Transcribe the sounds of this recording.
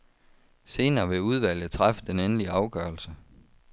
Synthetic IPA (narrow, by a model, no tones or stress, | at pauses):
se̝ːnɐːʋe̝uð̞ˠʋæl̰jð̩ˠt͡sʰʁafə̥d̥enenliɑ̈ʊɡ̥ɶːɐlsə